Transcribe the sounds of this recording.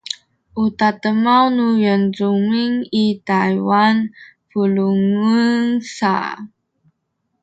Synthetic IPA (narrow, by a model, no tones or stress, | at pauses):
ʔutatəmawnujənzuŋiŋitajwanpuluŋuŋsa̰